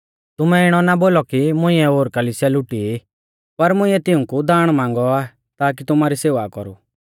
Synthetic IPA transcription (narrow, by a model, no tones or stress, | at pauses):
t̪ʊmɛɪɽ̃ɔnaboːlɔkimʊ̃ɪ̃ɛoːɾkɐliːsjalʊʈi | pɐɾmʊ̃ɪ̃ɛt̪ɪũkud̪aːɽ̃mãːŋɡɔa | t̪aːk̬it̪ʊmaːɾiseːʋakɔ̰ɾṵ